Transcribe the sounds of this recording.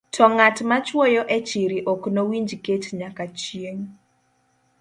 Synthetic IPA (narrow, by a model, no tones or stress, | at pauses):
tʰɔŋatmat͡ʃwojɔʔɛt͡ʃiɾiʔɔknowiɲd͡ʒketɲakat͡ʃieŋ